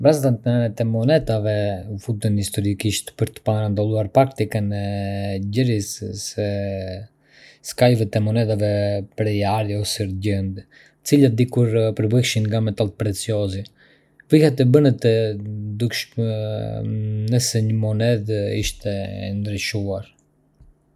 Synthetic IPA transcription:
bazt̪ant̪nɛɛt̪ɛmɔnɛt̪avɛfut̪inhist̪ɔɾikiʃt̪pəɾt̪ə̥paɾand̪alˠuaɾpɾakt̪ikənɛɟəɾissɛ | skalvɛt̪ɛmɔnɛt̪avɛpɾɛjaɾjɔsɛɾɟənd̪ | t͡silad̪ikuɾpəɾbiʃinŋɡamɛt̪alt̪̚pɾɛt͡siɔzi | vihɛt̪̬ɛbənət̪ɛd̪ukʃ | nəsɛɲəmɔnɛðḭʃt̪ɛ̰nd̪ɾiʃuaɾ

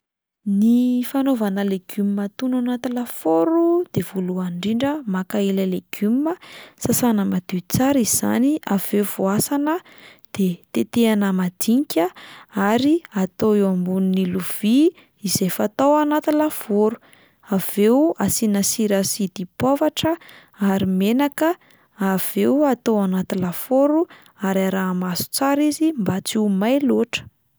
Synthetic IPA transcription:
nifanovanəleɡ̥ymmat̪unanat̪ilafoɾud̪̥ev̥oluaɳɖ͡ʐiɳɖ͡ʐəmakailəleɡ̥yməsasanəmad̪̥it͡saɾiz̥a̰niav̥euvuasanə | d̪̥et̪et̪eanəmad̪̥iŋkʲəaɾiat̪oewambununiluv̥i | izefat̪owanat̪ilav̥oɾu | avewasinəsiɾasid̪̥ipovaʈ͡ʂə | aɾimenakə | av̥ewat̪oanat̪ilafoɾu | aɾaɾamasu̥t͡saɾizimbat͡simajloʈ͡ʂə̥

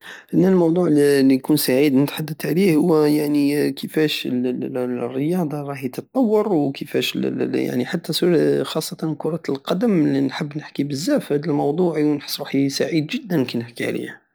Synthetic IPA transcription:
ʔənːælmɑwd̪ˤuʕlːinkunsaʕid̪nət̪ħad̪ːət̪ʕlihʊwːæjaʕnikəfæʃəlrːəjɑd̪ˤɑɾˤɑhjt̪ət̪̚t̪ˤːɑwːɑɾˤwkəfæʃəlja̰ʕniħat̪ːæsxɑsˤːɑt̪ɑnkʊɾˤɑlqɑd̪əmlinħəbːnəħkibəzːæfhæd̪əlmɑwd̪ˤuʕiwnħə̥sˤːɾuħisaʕid̪ʒəd̪ːənkənːəħkiʕ̰lḭh

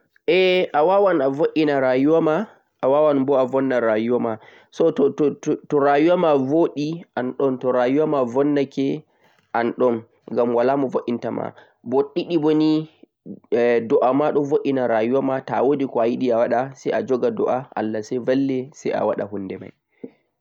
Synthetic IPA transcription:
ʔɛʔawawanavoʔinaɾajuwama | ʔawawanbɔavɔnːaɾajuwama | sɔtɔtttɔɾajuwamavoɗiʔanɗɔntɔɾajuwamavɔnːakɛ | ʔanɗɔn | ɡamwalamuvoʔintama̰ | bɔɗiɗiboni | dɔʔamaɗɔvoʔinaɾajuwamatawodikɔajiɗiawaɗasɛjʔad͡ʒɔɡadɔ̰ʔaʔa̰lːasɛvalːɛsɛjʔa̰wa̰ɗa̰hundɛma̰j

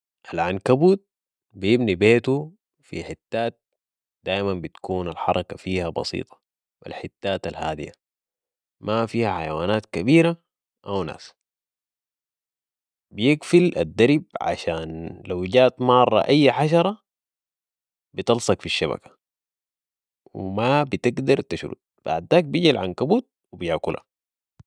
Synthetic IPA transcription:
ʔalʕankabuːt̪̚ | bijɪbnibeːt̪u | fḭħit̪ːaːt̪̚ | d̪̥aːjmanbit̪kuːnalħɑ̰ɾˤɑkafiːhabɑ̰sḭːt̪ˤɑ̥ | wa̰lħit̪ːaːt̪alhaːd̪ḭja̰ | mʔafiːhaħajawaːnaːt̪kabiːɾa | ʔawna̰ːs | bijɪɡfila̰d̪ːaɾib̚ʕa̰ʃaːnlawɟaːʔt̪mɑrˤːɑ̰ʔajːħaʃ̬ɑɾˤɑ | bit̪ɑlsˤɑkfiʃːaba̰kḁ | wḭmabit̪ɪɡd̪ɑɾˤt̪aʃɾṵd̪̚b̥a̰ʕd̪ːaːk̚biɟilʕankabuːt̪̚wibijaʕkula̰

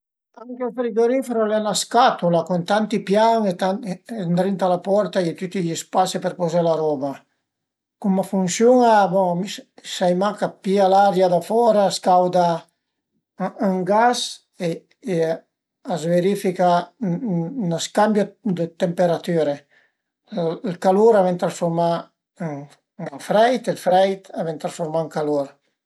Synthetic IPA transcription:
t̪ankɛfeɾiɡoɾifeɾolɛnaskat̪ulakunt̪ant̪ipjaŋet̪and̪ɾint̪alapɔɾt̪aet̪yt̪ːiʎispasipeɾpɔzelaɾɔba | kumafunsjuŋabomisajmakapialaɾjad̪afɔɾaskawd̪a | aŋɡas | eː | azveɾifika | naskambjod̪ət̪empeɾat̪yɾe | lkaluɾavɛnt̪ɾãsfoɾma | ŋ | ŋfɾɛjt̪elfɾɛjt̪avɛnt̪ɾãsfoɾmaŋkaluɾ

